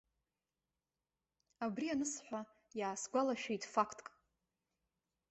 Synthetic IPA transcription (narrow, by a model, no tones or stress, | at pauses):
abrianɨsħʷa | jaːsɡʷalaʃᶣejtʼfakʰtʼkʼ